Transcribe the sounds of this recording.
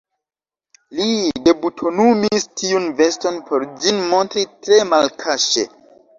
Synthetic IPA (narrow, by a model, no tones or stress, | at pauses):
lide̞butʰo̞numistʰiunve̞sto̞npʰo̞ɾd͡ʒinmo̞ntɾitɾe̞malkʰaʃe̞̰